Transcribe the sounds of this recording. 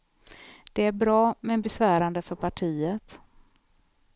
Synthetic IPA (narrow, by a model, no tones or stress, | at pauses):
d̪̥ɛæɾbɾɑːmɛnbɛsvæːɾand̪əfœɾpʰaʈʰiːət̪